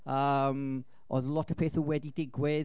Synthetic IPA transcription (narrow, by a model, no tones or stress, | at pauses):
əm | ʔɔ̰ðəlˠɔtə̥v̥pʰeːθəwɛdidɪɡwɪð